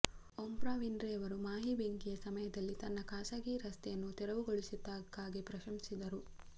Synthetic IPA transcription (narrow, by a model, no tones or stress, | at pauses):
ompɾaːʋindɾɛːɐʋɐɾumaːɦibeŋkijɐsɐmɐjɐd̪ɐlːit̪ɐnːɐkaːsaɡiɾɐst̪ɛjɐnːut̪ɛɾɐʋuɡoɭisid̪ːaːɡaːɡipɾɐʃɐmsid̪ɐɾu